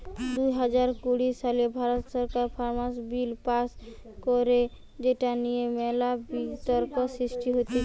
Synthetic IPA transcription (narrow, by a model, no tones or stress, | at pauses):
d̪uɦad͡ʒaɾkuɽisalebʱaɾot̪sɔɾkaɾpʰaɾmasbilpas | kɔɾe | d͡ʒeʈanijemɛlabit̪ɔɾkɔsɾiʃʈiɦot̪i